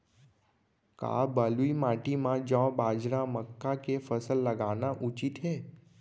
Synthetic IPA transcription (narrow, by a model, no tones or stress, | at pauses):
ka̰bəluimaʈimãd͡ʒɔ̃bad͡ʒɾãməkːakefəsəlːəɡaʋnaʔut͡ʃit̪ɦe